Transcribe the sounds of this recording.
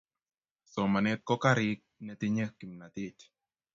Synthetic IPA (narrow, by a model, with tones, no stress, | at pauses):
so˨ma˨nɛ˦t̚kɔ˦ka˦ɾɪ˦k̚nɛ˨t̪ɪ˦ɲe˦ki˨mna˨t̪ɪ˦t